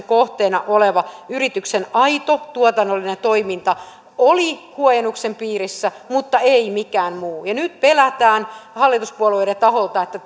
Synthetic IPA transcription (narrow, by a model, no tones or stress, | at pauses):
ŋkoht̪eːnɑʔoleʋɑyrit̪yksenɑit̪ot̪uot̪ɑnːolːinent̪oimint̪ɑ | olikuojenːuksempiːrisːæ | mut̪ːɑeimikæːnmuːjɑnyt̪̚pelæt̪æːnhɑlːit̪uspuolejet̪ɑholt̪ɑet̪ːæ